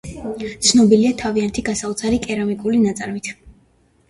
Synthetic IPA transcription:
t̪sʰnɔbiliat̪ʰaviant̪ʰiɡasaut̪sʰaɾikʼɛɾamikʼulinat̪sʼaɾmit̪ʰ

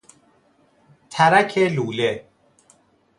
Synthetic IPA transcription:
t̪ʰæɾækʰeluːle

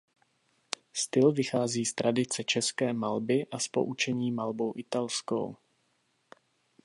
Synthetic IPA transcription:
st̪ɪlvɪxaːziːst̪ɾadɪt͡sɛt͡ʃɛskɛːmalbɪʔaspo̞̰ʔut͡ʃɛɲiːmalbowʔɪt̪alsko̰w

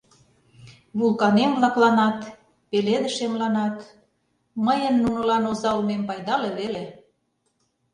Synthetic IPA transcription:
βulkɑnemβlɑklɑnɑt̪ | peled̪ə̆ʃemlɑnɑt̪ | məjənːunɤ̆lɑnozɑulmempɑjd̪ɑleβele

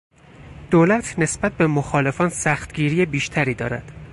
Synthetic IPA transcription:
d̪̥oːlæt̪ʰne̞sbæt̪̚bemoxɒːle̞fɒːnsæxt̪ɟiːɾiːjebiːʃt̪ʰæɾiːd̪ɒːɾæ̰d̪̥

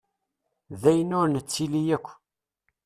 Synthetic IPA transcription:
ðæjənʊɾnət͡sːilijækʷː

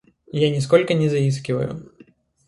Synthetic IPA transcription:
janʲɪskɔlʲkɐnʲɛzɐiskʲɪvɐ̰jʊ̰

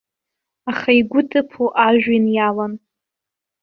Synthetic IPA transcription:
aχaiɡʷʊtʰʼɨpʰuʔaʒᶣinjalan

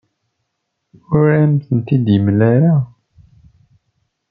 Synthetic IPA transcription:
ʊɾamθənt̪id̪jəmlæɾa

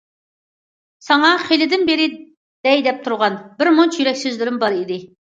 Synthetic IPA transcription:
sɑŋɑχelɪd̪ɪnbeɾɪ | d̪̥ɛjd̪ɛp̚t̪ʰuɾʁɑnbɪɾmont͡ʃjyɾɛkʲsyzlɪɾɪmbɑɾid̪ɪ

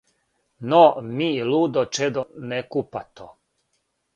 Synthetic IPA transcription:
nomiluːd̪ɔt͡ʃɛd̪ɔnɛkupat̪o

